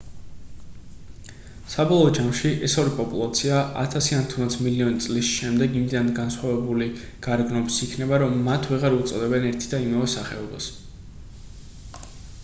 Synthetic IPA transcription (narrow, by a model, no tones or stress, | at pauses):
sabɔlˠɔd͡ʒamʃiʔɛsɔɾipʼɔpʼṵlˠat̪sʰiaʔa̰t̪ʰasianit̪ʰumd̪at̪sʰmiliɔnit̪sʼlisʃɛmd̪ɛɡimid̪d̪anɡansχwavɛbuli | ɡ̥aɾɡnɔbisikʰnɛbaɾɔmːat̪ʰvɛʁaɾut̪sʼɔd̪ɛbɛnɛɾt̪ʰid̪aimavɛsaχɛɔba̰s